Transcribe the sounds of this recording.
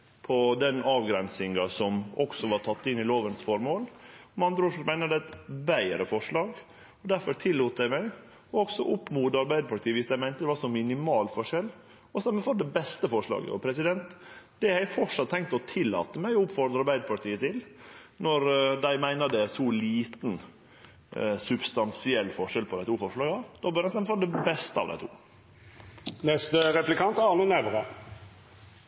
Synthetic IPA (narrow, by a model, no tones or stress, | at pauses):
pʰɔd̪ɛnɑːʋɡɾɛnsɪŋɑsɔmɔksɔʋɑɾtʰɑt̪ːɪnːɪloːʋənsfɔɾmoːlɔmɑnd̪ɾəɔʂmæɪnəd̪æt̪bæɪɾəfɔʂɭɑːɡ | ɔd̪æɾfɔɾt̪ʰɪlːuːt̪æɪmæɪ | ɔɔksɔʔʊpːmuːd̪ɑɾbæɪd̪əpʰɑɾʈ̪ʰiːəʋɪsd̪æɪmæɪnt̪əd̪ɛʋɑɾʂɔmɪnɪmɑːlfɔʂɛlː | ɔsɑmɛfɔɾd̪ɛbɛst̪əfɔʂɭɑ̰ːɡə̰ɔ̰pʰɾɛs̬ɪd̪ɛnt̪d̪̥ɛhæɪfɔʂɑt̪ʰːɛŋkt̪əɔt̪ʰɪlːɑ̰ːt̪əmæɪʊpfɔɾd̪əɾɑɾbæɪd̪əpʰɑɾʈiːət̪ʰɪlnɔɾd̪æɪmæɪnəd̪ɛsɔliːt̪n̩ | sʉbst̪ɑnsɪɛlːfɔʂɛlpʰɔd̪æɪt̪ʰuːfɔʂɭɑːɡəd̪̥oːbœɾɛsnɛmɛfɔd̪ɛbɛst̪əɑ̰ʋd̪æ̰ɪt̪ʰṵː | nɛst̪əʁɛplɪkʰɑnt̪ɑnunæʋəʁə